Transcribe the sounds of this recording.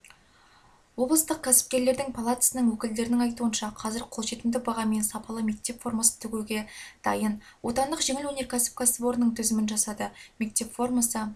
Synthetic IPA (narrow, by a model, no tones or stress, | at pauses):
wo̞blˠəst̪əq̚kʲʰæsɪ̥p̚kʲe̞ɾle̞ɾd̪ɪŋpʰalˠat̪ə̥sənəŋwɵkʲɪld̪e̞ɾɪnɪŋɑjt̪uənʃɑqʰɑzɪɾqʰo̞lˠʒe̞t̪ɪmd̪ɪbɑʁɑme̞nsɑpɑlˠəme̞k̚t̪e̞pfo̞rmasə̥t̪ʰʏɡʲeɡʲe̞d̪̥ɑjənwo̞t̪ɑnd̪əqʒe̞ŋɪlwɵne̞ɾkʲʰæsɪ̥p̚kʰʲasəpo̞ɾnəɴt̪ʰʏzɪmɪnʒɑsɑd̪əme̞k̚t̪e̞pfo̞rmɑsə